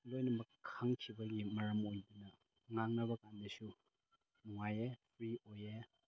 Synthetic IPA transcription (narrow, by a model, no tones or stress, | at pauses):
lojnɐmɐkʰaŋkʰibɐɡimɐɾɐmojdunɐ | ŋaŋnɐβɐkandɐsu | nuŋajepʰɾioje